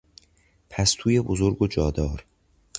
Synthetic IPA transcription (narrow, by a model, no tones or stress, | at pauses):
pʰæst̪ʰuːjebozoɾɡod͡ʒɒːd̪ɒːɾ